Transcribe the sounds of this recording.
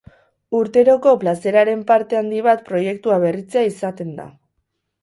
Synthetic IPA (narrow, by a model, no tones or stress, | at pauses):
uɾt̪e̞ɾo̞ko̞plase̞ɾaɾe̞mpaɾt̪e̞and̪iβ̞at̪pɾo̞je̞kt̪uaβ̞e̞rit͡se̞aisat̪e̞nd̪a̰